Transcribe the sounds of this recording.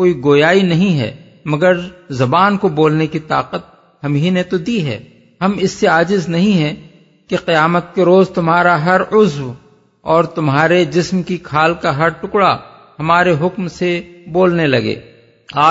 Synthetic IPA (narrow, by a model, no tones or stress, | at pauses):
koːiɡoːjaːinɐɦĩɦɛ̰ː | mɐɡəɾzɐbaːnkoboːlnekit̪aːqət̪̚ | ɦɐmɦiːnet̪od̪iɦɛ̰ː | ɦɐmɪsːeaːd͡ʒɪznɐɦĩɦɛ̃ | keqɐjaːmət̪̚keɾoːzt̪ʊmɦaːɾaɦɐɾʊzw | ɔːɾt̪ʊmɦaːɾed͡ʒɪsmkikʰaːlkaɦɐɾʈʊkɽa | ɦɐmaːɾeɦʊkmseboːlnelɐɡḛː | aː